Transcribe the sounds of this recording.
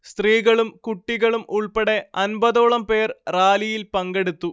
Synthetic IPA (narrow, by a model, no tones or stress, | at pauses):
st̪riːɣɐɭumkuʈːiɣɐɭumuɭpeɽe̞ɐnbɐðoːɭɐmpe̞ːrraːlijilpɐŋɡe̞ɽut̪ːu